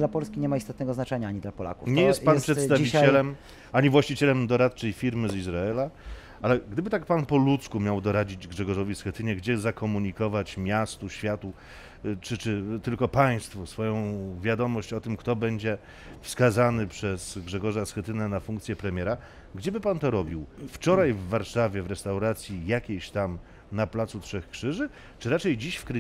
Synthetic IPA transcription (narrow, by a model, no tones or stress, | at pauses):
lapɔlskʲiɲɛmaist̪ɔt̪̚nɛɡɔznat͡ʂɛɲaaɲid̪lapɔla̰ku̥̰ɲɛjjɛst̪panpʂɛt̪st̪avivit͡ɕɛlɛm | aɲivwaɕt͡ɕit͡ɕɛlɛmd̪ɔɾat̪t͡ʂɛjfʲiɾmɘzizɾaɛla | alɛɡd̪ɘbɘt̪ak̚panpɔlut̪skumʲjawd̪ɔɾad͡ʑid͡ʑɡʐɛɡɔʐɔvʲisxɛt̪ɘɲɛɡd͡ʑɛzakɔmuɲikɔvat͡ɕmʲjast̪uɕfʲjat̪u | t͡ʂɘt͡ʂɘt̪ɘlkɔpaj̃st̪fusfɔjɔ̃w̃vʲjad̪ɔmɔɕt͡ɕɔt̪ɘmkt̪ɔbɛɲd͡ʑɛ | fskazanɘpʂɛzɡʐɛɡɔʐasxɛt̪ɘnɛnafuŋk̚t̪sʲjɛpɾɛmʲjɛɾa | ɡd͡ʑɛbɘpant̪ɔɾɔbʲiwft͡ʂɔɾajvːaɾʂavʲjɛvɾɛst̪awɾat̪sʲjijakʲeɕt̪am | naplat̪sutʂɛxkʂɘʐɘ | t͡ʂɨɾat͡ʂɛjd͡ʑiɕfkɾɘ